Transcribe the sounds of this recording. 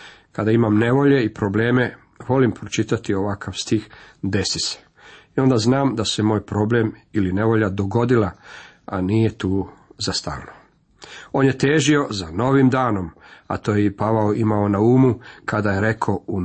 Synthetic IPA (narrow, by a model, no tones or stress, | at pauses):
kad̪aimamne̞ʋo̞ʎe̞ipɾo̞ble̞ːme̞ | ʋo̞limpɾot͡ʃit̪at̪io̞ʋakʰaʋst̪ixd̪e̞sise̥ | io̞nd̪aznaːmd̪ase̞mo̞ːjpɾo̞ble̞miline̞ʋo̞ʎad̪o̞ɡo̞d̪ila | a̰nije̞t̪uːzast̪a̰ːlno | o̞ːnje̞t̪eːʒio̞zano̞ʋimd̪aːno̞ma̰t̪oːjepaʋaoʔimaonauːmukad̪ajeɾe̞kʰou